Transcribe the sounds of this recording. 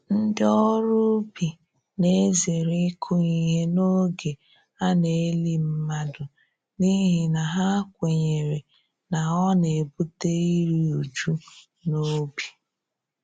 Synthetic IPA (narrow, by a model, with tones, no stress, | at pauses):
n̩˦dɪ˦ɔ˦ɾʊ˦bi˨ | ne˦ze˨ɾi˦kʰʊ˦i˨˦ɦe˦no˦ɡe˨ | a˦ne˨˦li˦m̩˦ma˦dʊ˨ | ni˦ɦi˨na˨ɦa˦kʷe˨ɲe˨ɾe˨ | na˨ɔ˦ne˨bu˦te˦i˦ɾi˦u˨d͡ʒu˦ | no˦bi̥˨